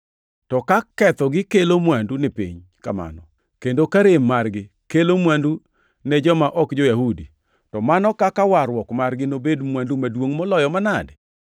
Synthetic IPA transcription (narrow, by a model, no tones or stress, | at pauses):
tɔkakɛt̪ɔɡɪkelomwandunɪpɪ̰ɲ | kama̰nɔ | kendokaɾɪmːarɡɪ | kelomwandu | nɛd͡ʒɔmaʔɔkd͡ʒojahudi | tɔmanɔkakawaɾwɔkmarɡɪnobedmwandumadwoŋmɔlɔjɔmanadɛ